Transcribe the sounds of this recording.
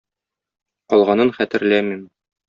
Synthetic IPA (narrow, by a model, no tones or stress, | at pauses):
ɒlˠʁɑnɤnχæt̪ɘ̆ɾlæmim